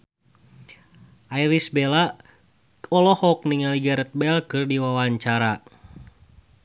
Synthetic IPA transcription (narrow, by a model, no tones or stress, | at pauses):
ʔaiɾisbɛla | ɔlɔhɔk̚niŋaliɡaɾɛt̪̚bɛlkɨrdiwawaɲt͡ʃaɾa